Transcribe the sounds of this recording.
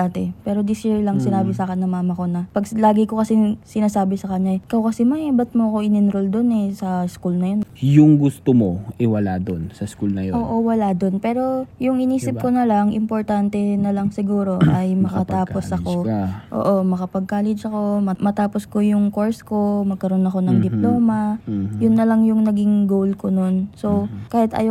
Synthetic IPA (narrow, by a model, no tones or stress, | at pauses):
at̪ɛpɛːɾo̞d̪isɪɹlɐŋsɪnaːbɪsaːkɛnːɐmaːmɐko̞nɐpɐɡlaːɡɪko̞kɐsɪsɪnaːsaːbɪsɐkɐɲːaɪkɐwkɐsimɐbɐt̪̚moɐkoʔɪnɪnɾold̪onɛsɐskulnɐjonjʊŋɡʊst̪omoʔɪwɐlad̪onsɐskulnɐjoʔoːʔowɐlad̪o̞npɛːɾo̞jʊŋɪniːsɪpkonɐlaŋʔɪmpoɾt̪ant̪ɛnɐlɐŋsɪɡuːɾo̞ʔɐjmɐkɐt̪aːposɐko̞ʔo̰ːʔo̞mɐkɐpɐɡ̚kaːlɛd͡ʒɐko̞mmɐt̪aːpo̞sko̞jʊŋko̞ɹsko̞mɐɡ̚kɐɾo̞nɐko̞nɐŋd̪ɪplo̞ːmɐjʊnːɐlɐŋjʊŋnɐɡɪŋɡowlkono̞nso̞wkaːhɪt̪ɐ̰j